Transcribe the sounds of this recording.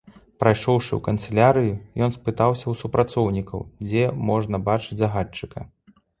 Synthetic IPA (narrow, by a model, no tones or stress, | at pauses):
pɾajʂɔwʂɨ̰wkɐnt̪sɛlʲaɾɨjujɔnspɨt̪awsʲɐwsupɾat̪sɔwnʲikɐ̰wd͡zʲɛmɔʐnɐbat͡ʂɨd͡zʲzɐɣat͡ʂːɨkɐ̰